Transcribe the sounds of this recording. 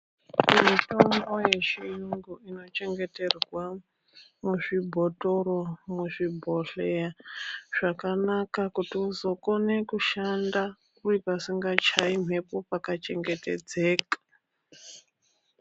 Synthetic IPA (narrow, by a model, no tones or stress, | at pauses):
mito̞mbo̞je̞t͡ʃiruŋɡuino̞t͡ʃe̞ŋɡe̞te̞rwa | muʐibʱo̞to̞ɾomuʐibʱo̞ɬejaʐ̥akanakakutiuzo̞ko̞ne̞kuʃanda | uipasiŋɡat͡ʃaim̤e̞po̞pakat͡ʃe̞ŋɡe̞te̞d͡ze̞ːkḁ